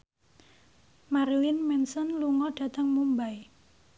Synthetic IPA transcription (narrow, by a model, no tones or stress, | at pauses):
maɾilinmɛnsɔnluŋɔɖ̥a̤t̪əŋmumbaj